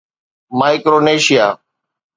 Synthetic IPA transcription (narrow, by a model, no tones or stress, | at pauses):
maːɪkɾoːneːʃɪjaː